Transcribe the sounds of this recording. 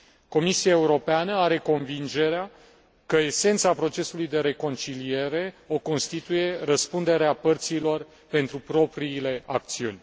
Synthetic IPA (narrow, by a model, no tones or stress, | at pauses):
ko̞misiae̞uɾo̞peanəaɾe̞ko̞nvind͡ʒe̞ɾea | kəe̞se̞nt̪sapɾo̞t͡ʃe̞sulujd̪e̞ɾe̞ko̞nt͡ʃilije̞ɾe̞o̞ko̞nst̪it̪uje̞rəspund̪e̞ɾeapərt̪silo̞r | pe̞nt̪ɾupɾo̞pɾiːle̞ak̚t̪siunʲ